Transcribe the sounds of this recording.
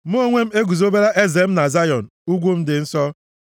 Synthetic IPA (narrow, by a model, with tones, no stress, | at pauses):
m˦o˦ŋʷe˦m̩˦e˦ɡʷu˨zo˦be˦ɾa˦ʔe˦ze˨m̩˦na˨za˦jɔ˨n̩˨u˦ɡʷu˦m̩˦dɪ˨n̩˦sɔ˦